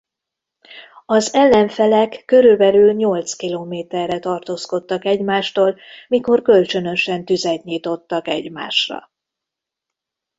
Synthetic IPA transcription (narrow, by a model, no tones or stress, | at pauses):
ɒzɛlːɛɱfɛlɛkːø̞ɾylbɛlylɲo̞lt̪skiloːmeːt̪ɛrːɛt̪ɒrt̪oːsko̞t̪ːɒkɛɟmaːʃt̪oːlmiko̞rkø̞lt͡ʃø̞nø̞ʃɛnt̪yzɛt̪ɲiːt̪o̞t̪ːɒkɛɟma̰ːʃrɒ̰